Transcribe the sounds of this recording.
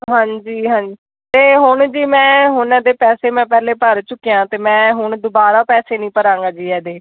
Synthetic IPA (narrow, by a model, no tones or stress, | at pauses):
ɦãːɲd͡ʒiːɦãːɲd͡ʒi | t̪eːɦʊɳd͡ʒiːmɛ̃ːɦʊnɛːd̪eːpɛːseːmɛ̃ːpɛːleːpəɾt͡ʃʊkːijãːt̪eːmɛ̃ːɦʊɳd̪ʊbaːɾaːpɛːseːnĩːpəɾãːŋɡaːd͡ʒiːɛːd̪eː